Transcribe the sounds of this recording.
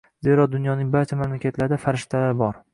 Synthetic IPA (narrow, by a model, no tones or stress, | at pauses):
z̥e̞ɾɒd̪ʊnjɒnɪŋbaɾt͡ʃʰamamlakʲat̪ʰlaɾd̪afaɾɪʃt̪ʰalaɾɪbɒɾ